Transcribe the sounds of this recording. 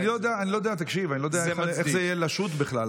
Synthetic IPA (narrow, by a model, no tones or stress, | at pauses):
nilod̪eaːnilo̞d̪eat̪̬akʃivanilod̪eaeeexzeijelaʃut̪beχlal